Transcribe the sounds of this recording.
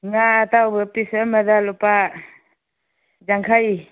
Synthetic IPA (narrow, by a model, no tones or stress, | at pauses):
ŋatawbɯpisəmadalɔpa | d͡ʒaŋkʰaj